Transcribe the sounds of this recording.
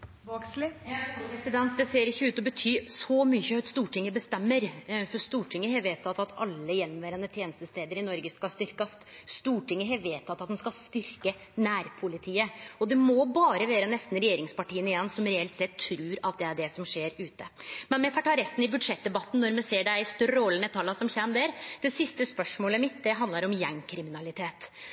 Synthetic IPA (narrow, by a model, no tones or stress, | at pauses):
bɑkslɪjpɾɛsɪd̪ɛnt̪̚d̪ɛseːɾɪçːəʉːt̪ɔbət̪ʰyːsɔmʏçəɑt̪st̪uːʈʰɪŋːəbəst̪ɛmːəɾfɔɾst̪uːʈʰɪŋːəhɛʋeːt̪ʰːɑt̪ːɑt̪ʰɑ̰lːəjɛnːɔmʋæːɾənət̪ʰjeːnəst̪əst̪eːd̪əɾɪnɔɾɡəskɑst̪ʏɾkɑst̪ | st̪uːʈʰɪŋːəɦɛʋeːt̪ʰːɑt̪ːɑt̪d̪ɛnskɑst̪ʏɾkə | næːɾpʰʊlɪt̪ʰiːəɔd̪ɛmɔbɑːɾəʋeːɾənɛst̪n̩ɾɛjeːɾɪŋspɑʈiːənɪjɛnːsɔmɾɛɛlt̪sɛt̪ʰːɾʉːɾɑt̪̚d̪ɛæɖɛsɔmʂeːɾʉːt̪əmɛnmɛfɑʈʰɑːɾɛst̪n̩ɪbʉd̪ʂɛt̪̚d̪ɛbɑt̪ːn̩nːɔɾmɛseːɖæɪst̪œɾɔːlənɛt̪ʰɑlːɑsɔmçɛnmd̪ɛɾd̪̥ɛsɪst̪əspœʂmoːləmɪt̪̚d̪ɛɦɑnd̪lɑɾɔmjɛŋːkʰɾɪmɪnɑlɪt̪ʰeːt̪